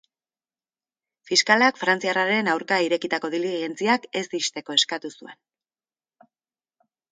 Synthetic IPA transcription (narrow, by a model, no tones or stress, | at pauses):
fiskalakfɾant͡siaraɾe̞nawɾkaiɾe̞kit̪ako̞ðiliɣe̞nt͡siake̞zd̪ist̪e̞ko̞e̞skat̪usue̞n